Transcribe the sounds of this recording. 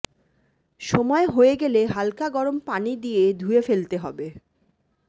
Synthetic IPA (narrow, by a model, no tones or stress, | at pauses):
ʃɔmɔeɦoeɡeleɦalkaɡɔɾompanid̪ijed̪ʱuefelt̪eɦɔbe